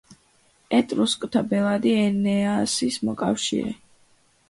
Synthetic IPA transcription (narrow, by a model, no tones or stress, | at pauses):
ɛt̪ʼɾuskʼt̪ʰabɛlˠad̪iɛnɛasismɔkʼa̰fʃḭɾɛ̰